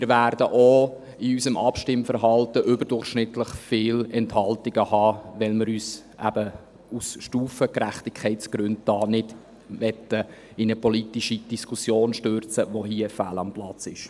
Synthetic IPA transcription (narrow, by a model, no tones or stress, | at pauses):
mɪːɾvæːɾd̥əʔo | ɪysəmʔɑpʃtɪmfəɾɦɑltəʔʏbəɾdʊrχʃnɪtləχfɪːlɛnthɑltɪɡ̥əhɑːʋɛlmɪɾyːs | ʔæ̰b̥ə | usʃtuːfəkɾæχtɪkʰχɛɪtsɡ̥ɾʉnd̚tɑːnɪd | ʋɛt̪ːə | ɪnəpɔlitiʃid̥iskʰusjoːnʃtørt͡səʋoɦiəfæ̰lɑmplɑt͡sɪʃ